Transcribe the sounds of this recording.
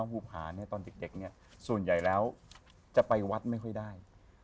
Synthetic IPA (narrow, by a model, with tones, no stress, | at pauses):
ŋkuː˧˩p̚ʰhaː˩˦ni˥˩t̪ɔː˧nde˨˩k̚de˨˩k̚ni˥˩ɐ | su˨˩ənja˨˩jlɛː˦˥w | t͡ɕa˨˩pa˧jwa˦˥t̪̚ma˥˩jkʰɔ˥˩jdaː˥˩j